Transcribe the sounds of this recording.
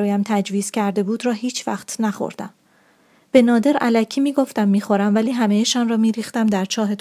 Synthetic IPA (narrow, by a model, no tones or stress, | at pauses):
ɾɒːjæmt̪ʰæd͡ʒviːz̥cʰæɾd̪e̞buːd̪ɾɒːhiːt͡ʃʰvæ̰χt̪ʰnæχo̰ɾd̪̥æm | b̥e̞nɒːd̪e̞ɾælæcʰiːmiːɡo̞ft̪æmːiːxo̞ɾæmvæliːɦæmejeʃɒːnrɒːmiːɾiːxt̪æmd̪æɾt͡ʃʰɒːɦe̞t̪